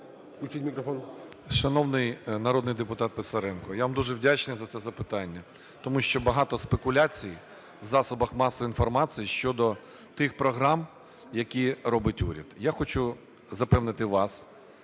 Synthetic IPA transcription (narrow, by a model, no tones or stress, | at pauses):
ut͡ʃimʲikɾɔfɔn | ʃɐnɔwnɪjnɐɾɔd̪nɪjd̪epʊt̪ɑt̪̚pesɐɾɛnkɔjaʋmd̪uʒɛwdʲat͡ʃnɪjzɐt̪sɛzɐpɪt̪ɑnʲːɐ | t̪ɔmuʃt͡ʃɔbɐɦɑt̪ɔspekʊlʲat͡sʲij | wzɑsɔbɐxmɑsɔʋinfɔrmɑt͡sʲijiʃt͡ʃɔd̪ɔ | t̪ɪxpɾɔɦɾɑm | jɐkʲirɔbɪtʲṵɾʲɐd̪jaxɔt͡ʃʊ | zɐpɛwnɪt̪ɪʋɑs